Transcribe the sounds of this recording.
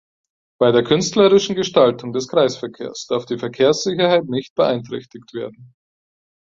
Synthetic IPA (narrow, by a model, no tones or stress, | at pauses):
b̥aɪdeːɐkʰʏnstləʁɪʃn̩ɡəʃtaltʊŋdɛskʁ̥aɪsfɛɐkʰeːɐsd̥aɐfd̥iːfɛɐkʰeːɐsz̥ɪçɐhaɪtnɪçt̚b̥əʔaɪntʁ̥ɛ̰çtɪktv̥eːɐdn̩